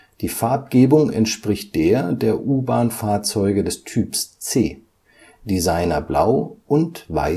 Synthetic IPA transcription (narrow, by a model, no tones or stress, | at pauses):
d̥iːfaɐp̚ɡ̥eːbʊŋɛ̰ntʃpʁ̥ɪçt̚d̥eːɐdeːɐʔuːbaːnfaːɐt͡sɔʏɡədɛstʰyːpst͡seː | d̥izaɪnɐbla̰ʊʔʊntva̰ɪ